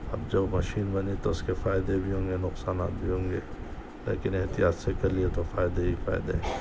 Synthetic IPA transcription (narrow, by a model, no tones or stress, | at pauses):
ɐ̰b̚d͡ʒɐbmɐʃiːnbɐnit̪oʊskefaːɪd̪ebʱiɦõːŋɡenʊqsaːnaːt̪̚bʱiɦõːŋɡeː | lḛːkɪneɦt̪ijaːt̪sekɐɾliet̪ofaːɪd̪ebifa̰ːɪd̪e